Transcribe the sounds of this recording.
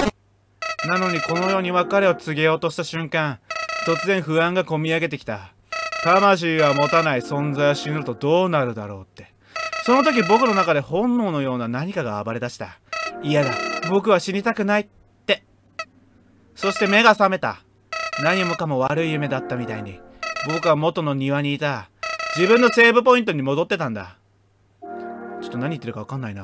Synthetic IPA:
nano̞ɲ̟iko̞no̞jo̞ːɲ̟iβakaɾe̞o̞t͡sɨɡʲe̞jo̞ːt̪o̞ɕi̥t̪aɕɨ̃ŋkãŋt̪o̞t͡sɨzẽ̞ɰ̃ɸɯ̟ãŋɡako̞mʲiaɡe̞t̪̬e̞kʲi̥t̪a̰ | t̪amaɕ̬iːβamo̞t̪anaisõ̞nzaio̞ɕinɯɾɯ̟t̪o̞d̪o̞ːnaɾɯ̟d̪a̰ɾo̞̰ːt̪ːe̞ | so̞no̞t̪o̞k̬ʲibo̞kɯ̟no̞nakad̪e̞hõ̞nːo̞ːno̞jo̞ːnanaɲ̟ikaɡa̰ːbaɾe̞d̪aɕi̥t̪a̰ijad̪abo̞k̬ɯ̟βaɕiɲʲit̪akɯ̟nai | t̪ːe̞ | so̞ɕi̥t̪eme̞ɡasame̞t̪a̰ | naɲ̟iomokamo̞β̞aɾɯ̟ijɯ̟me̞d̪at̪ːamʲit̪aiɲ̟i | bo̞kɯ̟βamo̞t̪o̞no̞ɲ̟iβaɲ̟iːt̪ad͡ʑibɯ̟̃nːo̞se̞ːbɯ̟po̞ĩnt̪o̞ɲ̟imo̞d̪o̞t̪ːe̞t̪ãnd̪a̰ | t͡ɕo̞̥t̪ːo̞naɲ̟it̪ːeɾɯ̟kaβakãnːaina

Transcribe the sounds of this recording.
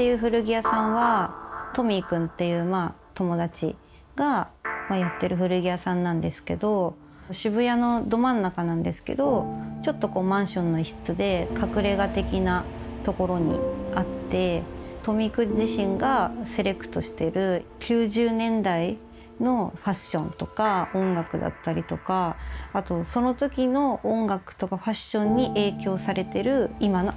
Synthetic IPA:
t̪e̞jɯ̟ːɸɯ̟ɾɯ̟ɡʲijasãɰ̃βat̪o̞mʲikɯ̟̃nt̪ːe̞jɯ̟ːma | t̪o̞mo̞d̪at͡ɕḭ | ɡ̥amajat̪ːe̞ɾɯ̟ɸɯ̟ɾɯ̟ɡʲijasãnːãnd̪e̞sɨ̥ke̞d̪o̞ | ɕibɯ̟jano̞d̪o̞mãnːakanãnd̪esɨ̥ke̞̰d̪o̞t͡ɕo̞t̪ːo̞ko̞ːmãɰ̃ɕõ̞nːo̞içi̥t͡sɨd̪e̞kʰakɯ̟ɾe̞ɡat̪e̞kʲina | t̪o̞ko̞ɾo̞ɲ̟ḭat̪ːe̞t̪o̞mʲikɯ̟ʑiɕĩŋɡase̞ɾe̞kɯ̟̥t̪o̞ɕi̥t̪e̞ɾɯ̟kʲɨːʑɨːnẽ̞nd̪ai | no̞ɸaɕːõ̞nt̪o̞kaõ̞ŋɡakɯ̟d̪a̰t̪ːaɾʲit̪o̞kaːt̪o̞so̞no̞t̪o̞kʲino̞ʔːõŋɡakɯ̟̥t̪o̞kaɸaɕːõ̞ɲ̟ːiʔe̞ːkʲo̞ːsaɾe̞t̪e̞ɾɯ̟imano

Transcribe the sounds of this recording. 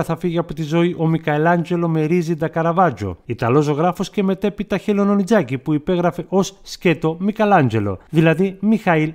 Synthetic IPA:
ɐθɐfiʝeɐpot̪izo̞iʔo̞mikɐelɐɲd͡ʒe̞lo̞me̞ɾizid̪ɐkɐɾɐvɐd͡ʒo̰it̪ɐlo̞soɣɾɐfo̞sce̞me̞t̪e̞pit̪ɐçelo̞no̞nid͡zɐcipuipe̞ɣɾɐfe̞ʔo̞ssce̞t̪o̞mikɐlɐɲd͡ʒe̞lo̞̰ðilɐðimixɐil

